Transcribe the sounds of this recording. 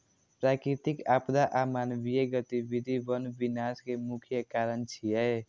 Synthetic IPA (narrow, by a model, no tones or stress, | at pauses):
pɾakɾit̪ikapd̪aʔamaːnbijeɡət̪ibid̪ʱibənbinaskemukʰjəkaɾənt͡ʃʰie